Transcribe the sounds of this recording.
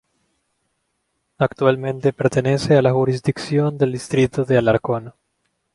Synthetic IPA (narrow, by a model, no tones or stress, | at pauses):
akt̪ualmẽnt̪epeɾt̪enesealaxuɾizd̪iksjond̪eld̪ist̪ɾit̪oðealaɾkono